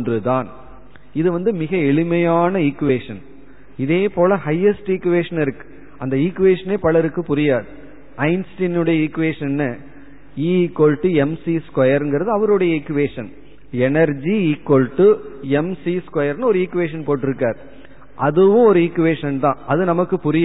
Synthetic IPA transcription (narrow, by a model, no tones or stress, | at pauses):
ndrɯt̪aːn | ɪðɯʋɐnd̪ɯmɪɣɐɛɭɯmɐjaːnɐikːɯʋeːʂɐn | ɪðeːpoːlɐhɐjɛsʈɪkːɯʋeːʂɐnɪɾɯkːɯ̥ | ɐnd̪ɐiːkːɯʋeːʂɐneːpɐɭɐɾɯkːɯpʊɾɪjaːðɯ | ɐɪnsʈɪnɯɽɐjɐiːkːɯʋeːʂɐnːɯ | iːkːolʈːɯɛmsiskwɐjɐɾɛnɡɪɾɐðɯɐʋɐɾɯɽɐjɐɪkːɯʋeːʂɐn | ɛnɐɾd͡ʒiiːkːolʈːɯɛmsiskwɐjɐɾnɯɔɾɯiːkːɯʋeːʂ̬ɐnpoːʈːɪɾɯkːaːɾ | ʔɐðɯʋʊ̃ɔɾɯɪkːɯʋeːʂɐnt̪ãːʔɐðɯnɐmɐkːɯpʊɾɪj